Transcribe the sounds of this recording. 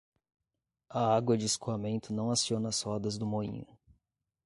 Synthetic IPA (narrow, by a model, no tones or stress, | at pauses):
ɐaɡwɐd͡ʒɪːskuamẽnt̪ʊnɐ̃w̃asiõnɐshɔd̪ɐzd̪ʊmoḭ̃ʊ̰